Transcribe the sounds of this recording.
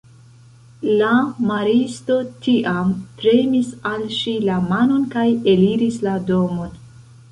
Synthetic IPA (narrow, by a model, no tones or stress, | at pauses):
lamaɾisto̞tiʔampɾe̞misalʃilamano̞nkajeliɾislado̞mo̞n